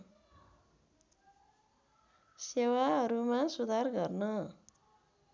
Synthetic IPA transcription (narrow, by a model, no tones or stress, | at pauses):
sewaɦʌɾumãsud̪ʱarɡʌrnʌ